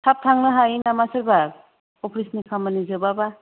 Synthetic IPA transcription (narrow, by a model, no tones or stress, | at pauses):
tʰap̚tʰaŋnɯɦajnamasɯɾba | ɔpʰɾisnikʰamanizɯbaba